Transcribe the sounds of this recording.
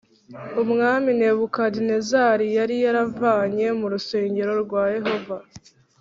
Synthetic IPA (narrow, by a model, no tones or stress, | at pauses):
umŋaːmine̞ːβukadinezaɾijaɾijaɾavaːɲe̞muɾuse̞ːɲɟe̞ɾo̞ɾɡwaːje̞ɦo̞va